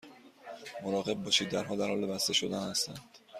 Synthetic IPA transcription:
moɾɒːɣe̞b̚ːɒːʃiːd̪̚ːæɾɦɒːd̪æɾɒːlebæst̪e̞ʃo̞d̪ænhæst̪ænd̪̥

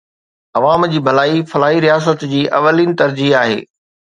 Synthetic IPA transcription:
ɐʋaːmd͡ʑiːbʱɐlaːifɐlaːɦiɾijaːs̬ət̪d͡ʑiːʔɐʋəliːnɪ̆t̪ɐɾd͡ʑiɦaːɦḛː

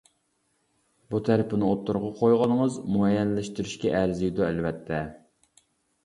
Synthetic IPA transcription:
but̪ʰæɾɪpɪnɨot̪ʰːʊɾʁɑqʰojʁɑnəŋəzmuɛjːɛnlɪʃt̪yɾyʃkʲɛʔæɾzɪjd̪uɛlvɛt̪ʰːɛ

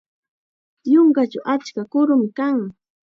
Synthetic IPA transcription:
joŋkat͡ʃawʔat͡ʃkakʊɾʊmɪkaŋ

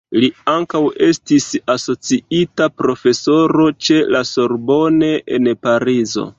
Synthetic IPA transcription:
liaŋkawe̞stisaso̞t͡siitapɾo̞fe̞so̞ɾo̞t͡ʃe̞laso̞ɾbo̞ne̞ʔenpaɾizo̞̰

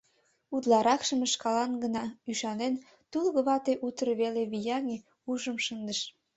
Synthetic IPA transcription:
ud̪lɑɾɑkʃəməʃkɑlɑnɡənɑyʃɑnen | t̪ulɣə̆βɑt̪eʔut̪ɾβeleβijɑŋe | uʒəmʃənd̪əʃ

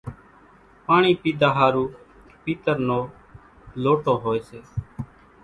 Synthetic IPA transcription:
paːɳiːpiːd̪aːɦaːɾuː | piːt̪əɾnoː | loːʈoːɦoːeːseː

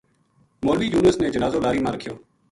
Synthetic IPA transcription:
moːliːjuːnəsnẽːd͡ʒənaːzoːlaːɾiːmãːɾəkʰɪjoː

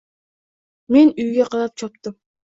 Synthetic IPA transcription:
me̞nyjɡʲɛqʰɑlˠɑp̚t͡ʃʰɑp̚t̪ɨm

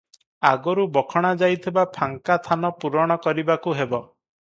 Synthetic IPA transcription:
aɡɔɾubɔkʰɔɽ̃ad͡ʒajt̪ʰibapʰaŋkat̪ʰanɔpuɾɔɽ̃ɔkɔɾibakuɦebɔ

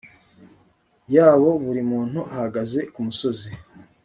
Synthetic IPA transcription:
jaːβo̞βuɾimuːn̥huʔahaɡaze̞kumuso̞zi

